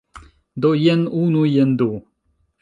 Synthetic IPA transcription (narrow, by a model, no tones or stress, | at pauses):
d̪ojenunujend̪u